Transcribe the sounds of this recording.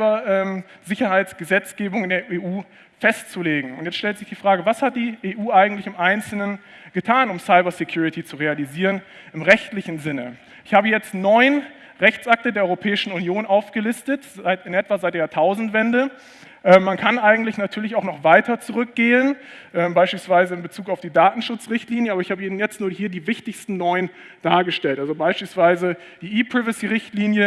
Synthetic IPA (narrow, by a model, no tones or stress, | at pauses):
bɐʔɛːm | zɪçɐhaɪt͡sɡ̥əzɛt͡sɡ̥eːbʊŋɪndeːɐʔeːʔuː | fɛstt͡suleːɡŋ̩ʊntjɛt͡stʃtɛltz̥ɪçd̥iːfʁ̥aːɡəvashat̚d̥iːeːʔuːʔaɪɡŋ̩tlɪçɪmʔaɪnt͡sl̩nən | ɡ̥ətʰaːnʊmsaɪbɐsekʰj̥uːʁɪtʰit͡suʁealiziːʁən | ɪmʁɛçtlɪçn̩zɪnə̰ | ʔɪçhaːbəjɛt͡stnɔʏn | ʁɛçt͡sʔak̚tədeːɐɔʁopʰɛːɪʃn̩unjoːnʔaʊfɡ̥əlɪstətzaɪtɪnʔɛtv̥azaɪtd̥eatʰaʊzn̩tv̥ɛndə | ʔɛːmmankʰanʔaɪɡŋ̩tlɪçnatʰyːɐlɪçaʊxnɔχv̥aɪtʰɐt͡suʁʏk̚ɡ̥eːənʔɛːmbaɪʃpiːlsv̥aɪzəɪnbət͡suːkaʊfd̥iːdaːtn̩ʃʊt͡sʁɪçtliːnjəʔabɐɪçhaːbəiːbnjɛt͡stnuːɐhiːɐdiːvɪçtɪçstn̩nɔʏən | d̥aːɐɡəʃtɛltʔalzobaɪʃpiːlsv̥aɪzə | d̥iːiːpʁ̥ɪvəsiːʁɪçtliːnjə